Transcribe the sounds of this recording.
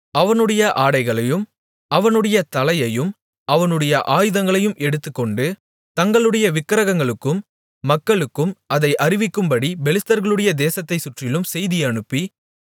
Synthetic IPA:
ɐʋɐnɯɽɐjɐʔaːɽɐɪɣɐɭɐjɯm | ɐʋɐnɯɽɐjɐt̪ɐlɐjɐjɯm | ɐʋɐnɯɽɐjɐʔaːjɯðɐŋɡɐɭɐjɯmɛɽɯt̪ːɯkːɔɳɖɯ | t̪ɐŋɡɐɭɯɽɐjɐʋɪkːɐɾɐɣɐŋɡɐɭɯkːɯmː | ɐkːɐɭɯkːɯmɐðɐɪʔɐrɪʋɪkːɯmbɐɽibɛlɪst̪ɐɾɣɐɭɯɽɐjɐd̪eːsɐt̪ːɐɪsʊʈrɪlɯmsɛjðɪjɐɳɯpːi

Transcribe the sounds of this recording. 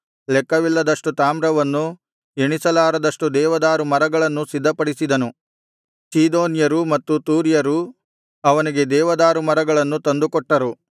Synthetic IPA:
lɛkːɐʋilːɐd̪ɐʂʈut̪aːmɾɐʋɐnːu | eɳisɐlaːɾɐd̪ɐʂʈud̪ɛːʋɐd̪aːɾumɐɾɐɡɐɭɐnːusid̪ʱːɐpɐɽisid̪ɐnu | siːd̪oːnjɐɾumɐt̪ːut̪uːɾjɐɾu | ɐʋɐniɡe̞d̪ɛːʋɐd̪aːɾumɐɾɐɡɐɭɐnːut̪ɐnd̪ukɔʈːɐɾu

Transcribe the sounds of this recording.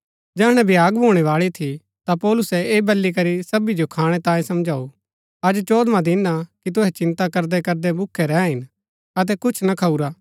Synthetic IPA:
d͡ʒɛːɦɽ̃ɛ̃bʱjaːɡbʱoːɽ̃ɛʋaːɭit̪ʰi | t̪apɔːlʊsɛeːbɐlːik̬ɐɾisɐbid͡ʒokʰaːɽ̃ɛt̪ãːjẽsɐmd͡ʒaːu | ɐd͡ʒt͡ʃoːd̪mãd̪ɪnːakit̪̬ʊɦɛt͡ʃɪ̃nt̪akɐɾd̪ɛkɐɾd̪ɛbʊkʰːɛɾɛ̃ːɦɪn | ɐt̪̬ɛkʊt͡ʃʰnɐkʰauɾaː

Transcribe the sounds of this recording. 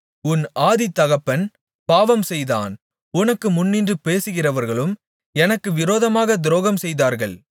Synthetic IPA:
ʊnaːðit̪ːɐɣɐpːɐn | paːʋɐmsɛjða̰ːn | ʊnɐkːɯmʊnːɪndrɯpeːsɯɣɪrɐʋɐɾɣɐɭɯm | ɛnɐkːɯʋɪɾoːðɐmaːɣɐd̪ɾoːɣɐmsɛjðaːɾɣɐɭ

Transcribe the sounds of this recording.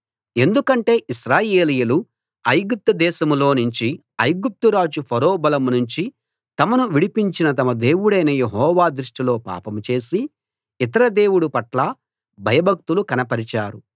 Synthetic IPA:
e̞nd̪ukɐɳʈe̞ːʔiʃɾaːje̞ːlijɐlu | ɐjɡup̚t̪ɐd̪ɛːʃɐmlo̞ːnuɲt͡ʃi | ɐjɡup̚t̪uɾaːd͡ʒupʰɐɾoːbɐlɐmnuɲt͡ʃi | t̪ɐmɐnuʋiɽipiɲt͡ʃinɐt̪ɐmɐd̪e̞ːwuɽɐjnɐjeɦɔːʋaːd̪ɾuʂʈilo̞ːpa̰ːpɐmt͡ʃe̞ːsi | it̪ɐɾɐd̪e̞ːwuɽupɐʈlɐ | bʱɐjɐbɐk̚t̪ulukɐnɐpɐɾit͡ʃaːɾu

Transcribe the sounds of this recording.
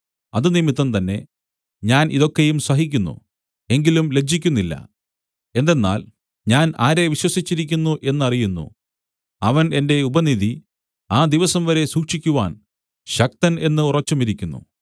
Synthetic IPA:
ɐðɨnimit̪ːɐnt̪ɐnːe̞ | ɲaːniðo̞kːe̞jumsɐɦik̬ʲːunːṵ | e̞ŋɡilumle̞d͡ʑːikʲːunːilːɐ̰ | e̞nd̪e̞nːa̰ːl | ɲaːnaːɾe̞ʋiɕwɐsit͡ɕːiɾik̬ʲːunːuʔe̞nːɨɐrijunːṵ | ɐʋɐne̞nde̞ubɐniði | aːd̪iʋɐsɐmʋɐɾe̞suːkʂikʲːuʋa̰ːn | ɕɐk̚t̪ɐne̞nːɨurɐt͡ɕːɐmiɾikʲːunːṵ

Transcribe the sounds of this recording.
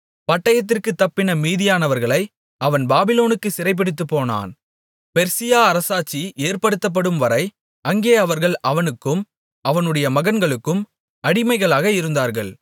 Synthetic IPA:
pɐʈːɐjɐt̪̬ːɪrkɯt̪ːɐpːɪnɐmiːðɪjaːnɐʋɐɾɣɐɭɐɪ | ʔɐʋɐnbaːbɪloːnɯkːɯsɪɾɐɪp̬ːɪɽɪt̪ːɯpːoːna̰ːn | pɛɾsɪjaːɐɾɐsaːt͡ʃːiʔeːɾpɐɽɯt̪ːɐp̬ːɐɽɯmʋɐɾɐɪ | ʔɐŋɡeːɐʋɐɾɣɐɭʔɐʋɐnɯkːɯm | ʔɐʋɐnɯɽɐjɐmɐɣɐnɡɐɭɯkːɯm | ɐɽɪmɐɪɣɐɭaːɣɐɪɾɯnd̪aːɾɣɐɭ

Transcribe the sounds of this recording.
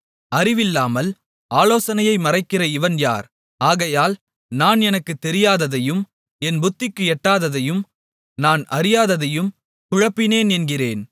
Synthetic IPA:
ɐrɪʋɪlːaːmɐl | aːloːsɐnɐjɐɪmɐrɐɪkːɪrɐɪʋɐnja̰ːɾ | aːɣɐjaːl | naːnɛnɐkːɯt̪ːɛɾɪjaːðɐðɐjɯm | ɛnbʊt̪ːɪkːɯɛʈːaːðɐðɐjɯm | naːnʔɐɾɪjaːðɐðɐjɯm | kʊɻɐpːɪneːnɛnɡɪreːn

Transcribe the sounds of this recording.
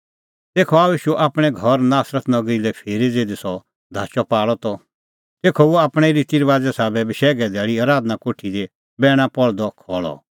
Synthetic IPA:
t̪eːkʰɔaːuiːʃuʔaːpɽ̃ɛɡʱɔɾnaːsɾət̪nɐɡɾilɛpʰeːɾid͡zeːd̪esɔ | d̪ʱaːt͡ʃɔpaːɭɔt̪ɔ | t̪eːkʰɔboaːpɽ̃ɛɾit̪iɾʋaːd͡zɛsaːbɛbɪʃɛːɡɛd̪ɛːɭiaːɾaːd̪nakoːʈʰid̪e | bɛːɽ̃ãpɔɭd̪ɔkʰɔːɭɔ̰

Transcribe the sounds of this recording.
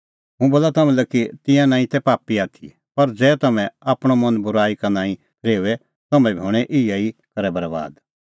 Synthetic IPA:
ɦũboːlat̪ɐmɛ̃lɛkit̪ɪ̃jãnãːĩt̪ɛpaːpiaːt̪ʰḭ | pɐɾd͡zɛːt̪ɐmɛ̃aːpɽ̃omɐ̃nbʊɾaːikanãːĩ | ɾeːuʋɛ | t̪ɐmɛ̃biɦoːɽ̃ɛʔɪjaikɐɾɛbɐɾba̰ːd̪

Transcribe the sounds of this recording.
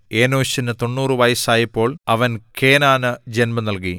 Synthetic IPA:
eːnoːɕinɨt̪o̞ɳːuːrɨʋɐjsaːjɐpːo̞ːɭɐʋɐnke̞ːnaːnɨd͡ʑenmɐnɐlk̬i

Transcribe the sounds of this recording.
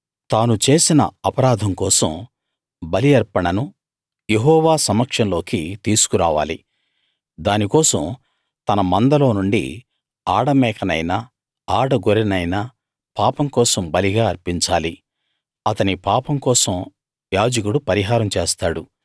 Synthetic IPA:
t̪aːnut͡ʃe̞ːsinɐ̰ɐpɐɾaːd̪ʱɐŋkɔːsɐ̰m | bɐlijɐɾpɐɳɐnu | je̞ɦɔːʋaːsɐmɐkʂɐnlo̞ːkit̪iːsu̥kuɾa̰ːʋa̰ːlḭ | d̪aːnikɔːsɐm | t̪ɐnɐmɐnd̪ɐlo̞ːnuɳɖḭ | aːɽɐmɛːkʰɐnɐjnɐ | aːɽɐɡoɾinɐjnɐ | paːpɐmkɔːsɐmbɐliɡaːɐɾpiɲt͡ʃaːli | ɐt̪ɐnipaːpɐmkɔːsɐm | jaːd͡ʒɐkuɽupɐɾiɦaːɾɐmt͡ʃeːst̪aːɽu

